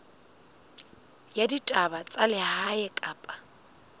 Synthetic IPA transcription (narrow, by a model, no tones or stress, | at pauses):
jaditʼabat͡sʼalɪhaɛkʼaːpʼḁ